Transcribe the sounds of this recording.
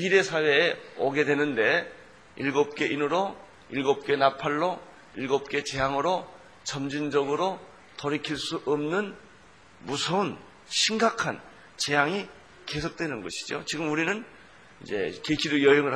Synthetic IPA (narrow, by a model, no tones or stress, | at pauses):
iɾe̞sʰawe̞ːoɡe̞dwe̞nɯnde̞ | ilɡop̚k͈e̞ʔinɯɾo | iɭɡop̚k͈e̞napʰaɭːo | iɭɡop̚k͈e̞t͡ɕe̞ɦaŋɯɾo | t͡ɕʌmd͡ʑind͡ʑʌɡɯɾo | tʌɾikʰiɭs͈uʔʌmnɯn | musʰʌun | ɕʰiŋɡakʰan | t͡ɕe̞jaŋi | ke̞sʰok̚t͈we̞nɯnɡʌɕʰi̥d͡ʑo̰t͡ɕiɡɯmuɾinɯn | id͡ʑe̞̰keɕʰiɾɯjʌɦeŋɯɭ